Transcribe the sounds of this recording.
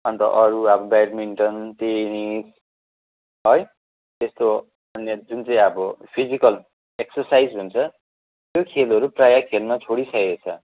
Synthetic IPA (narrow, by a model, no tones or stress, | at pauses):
ʌnt̪ʌʔʌɾuʌbʌbajɾmiɳʈʌnt̪enis | ɦʌj | t̪est̪o | ʌnjʌd͡zunt͡sʌĩʌbʌpʰid͡zikʌl | eksʌrsajd͡zɦunt͡sʰʌ | jjokʰelʌɾuprajakʰelnʌt͡sʰoɽisʌjet͡sʰʌ